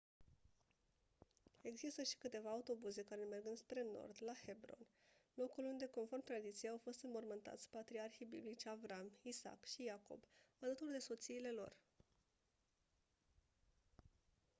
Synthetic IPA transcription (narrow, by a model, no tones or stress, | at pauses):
e̞ɡzist̪əʃi̥kɨt̪e̞vaːut̪o̞buze̞kaɾeme̞rɡɨnd̪spɾe̞no̞̰rd̪lahe̞bɾo̞̰nlo̞kulund̪e̞ko̞nfo̞rmt̪ɾad̪it̪sijeawfo̞st̪ɨmbo̞rmɨnt̪a̰t̪sʲpat̪ɾiarxijbḭblit͡ʃavɾamisa̰kʃijako̞̰balət̪urd̪e̞so̞t̪siːle̞lo̞̰r